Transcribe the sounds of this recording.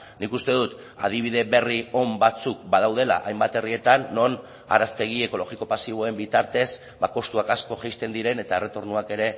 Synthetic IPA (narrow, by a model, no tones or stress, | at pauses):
nikust̪e̞ðut̪ | a̰ð̞iβ̞iðe̞βe̞rio̞mbat͡suk̚baðawð̞e̞la̰ʔajmbat̪e̞rie̞t̪anːo̞n | a̰ɾast̪e̞ɣ̞ie̞ko̞lo̞ɣiko̞pasiβo̞e̞mbit̪aɾt̪e̞z | bako̞st̪uakasko̞ʝejst̪e̞nd̪iɾe̞ne̞t̪ae̞ret̪o̞ɾnuake̞ɾe̞